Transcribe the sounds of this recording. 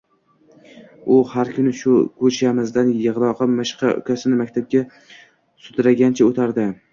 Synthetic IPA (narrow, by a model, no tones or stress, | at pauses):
ʊhaɾkʲʰʊnɪʃʊkʰɵt͡ʃʰamɪzd̪anjɨʁlˠɒqɑmɪʃqʰɑ̰ʊ̰kʲʰasɪnɪmakʲt̪ʰab̚ɡʲa | sʊd̪ɾaɡʲant͡ʃʰaot̪ʰaɾd̪ɪ